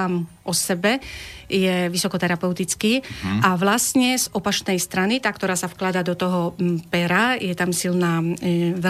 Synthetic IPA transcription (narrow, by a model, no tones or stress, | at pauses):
amʔɔsɛbɛjɛʋisɔkɔt̪ɛɾapɛʊt̪it͡skiːaʋlastɲɛzɔpat͡ʃnɛjst̪ɾanit̪aːkt̪ɔɾaːsafklad̪aːd̪ɔt̪ɔɦɔpɛɾajɛt̪amsilnaːʋɛ